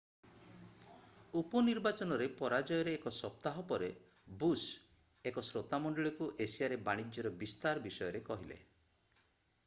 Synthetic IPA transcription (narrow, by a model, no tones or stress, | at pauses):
upɔniɾbat͡ʃɔnɔɾepɔɾad͡ʒɔjɔɾeːkɔsɔp̚t̪aɦɔpɔɾe | bus | ekɔsɾot̪amɔɳɖɔɭikuʔesiaɾebaɽ̃id͡ʒjɔɾɔbist̪aɾɔbisɔjɔɾekɔɦilḛ